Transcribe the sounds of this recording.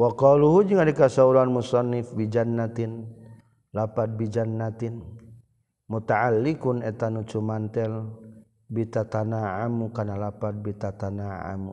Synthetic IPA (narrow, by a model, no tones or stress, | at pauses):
wakɔluɦud͡ʒiŋadikasauɾanmusɑnːɪfbid͡ʒanːat̪ɪn | lapat̪̚bid͡ʒanːat̪in | mut̪aʕalːikunɛt̪anut͡ʃumant̪ɛl | bit̪at̪anaʕamukanalapat̪̚bit̪at̪anaa̰mṵ